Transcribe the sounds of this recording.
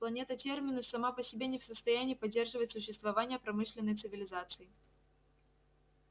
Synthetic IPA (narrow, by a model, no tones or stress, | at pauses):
plˠɐnʲe̞t̪ətʲe̞rmʲɪnʊsɐmapəsʲɪbʲenʲɪfsəst̪ɐjænʲɪːpɐdʲːe̞rʐɨvətʲsʊɕːɪst̪vɐvanʲɪjəpɾɐmɨʂlʲɪnːəjt̪sɨvʲɪlʲɪzat̪sɨɪ